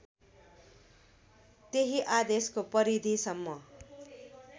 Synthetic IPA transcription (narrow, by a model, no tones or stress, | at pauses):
t̪eɦiʔad̪eskopʌɾid̪ʱisʌmːʌ